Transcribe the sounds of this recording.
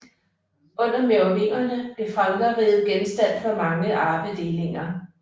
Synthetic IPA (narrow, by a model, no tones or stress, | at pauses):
ʔɔ̽n̰ɐmeomḛːɐnəb̥lifʁɑ̈mdɐʁiːð̩ˠɡ̥ensd̥æn̰fɒ̽mɑ̈ŋəʔɑ̈ːb̥əd̥e̝ːle̝ŋɐ